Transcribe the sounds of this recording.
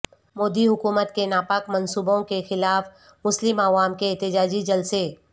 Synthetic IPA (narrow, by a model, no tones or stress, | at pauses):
moːd̪iɦʊkuːmət̪kenaːpaːkmɐnsuːbõkexɪlaːf | mʊslɪmɐʋaːmkeɛɦt̪ɪd͡ʒaːd͡ʒid͡ʒɐlse